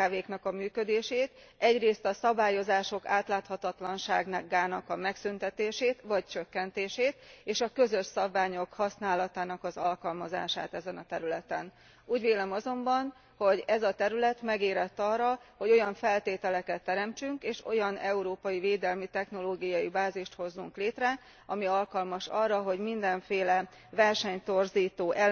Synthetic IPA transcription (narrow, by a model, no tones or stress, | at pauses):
aveːknɒkɒmyːkø̞d̪eːʃeːt̪ | ɛɟreːst̪ɒsɒbaːjo̞zaːʃo̞kaːt̪laːt̪hɒt̪ɒt̪lɒnʃaːɡnaɡaːnɒkɒmɛksynt̪ɛt̪eːʃeːt̪ʋɒct͡ʃøkːɛnt̪eːʃeːt̪eːʃɒkø̞zø̞ʃsɒbvaːɲo̞khɒsnaːlɒt̪aːnɒkɒzɒlkɒlmɒza̰ːʃa̰ːt̪ɛzɛnɒt̪ɛɾylɛt̪ɛn | uːɟveːlɛmɒzo̞mbɒn | ho̞ɟɛzɒt̪ɛɾylɛt̪mɛɡeːɾɛt̪ːɒrːɒho̞ɟo̞jɒɱfɛlt̪eːt̪ɛlɛkɛt̪ːɛɾɛmt͡ʃyŋkeːʃo̞jɒnɛuɾoːpɒjiveːd̪ɛlmit̪ɛxno̞loːɡijɒjibaːziʃt̪ho̞zːuŋkleːt̪rɛ | ʔɒmiɒlkɒlmɒʃɒrːɒɦo̞ɟmind̪ɛɱfeːlɛ | vɛrʃɛɲt̪o̞rziːt̪oːʔɛ